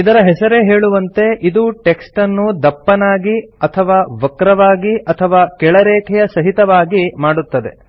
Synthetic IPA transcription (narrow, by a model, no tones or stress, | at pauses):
id̪ɐɾɐɦɛsɐɾe̞ɦeːɭuʋɐnt̪e̞ʔid̪uʈeksʈɐnːud̪ɐpːɐnaːɡiɐt̪ʰɐʋaːʋɐkɾɐʋaːɡiʔɐt̪ʰɐʋaːkɛɭɐɾɛːkʰɛjɐsɐɦit̪ɐʋaːɡimaːɽut̪ːɐd̪e̞̰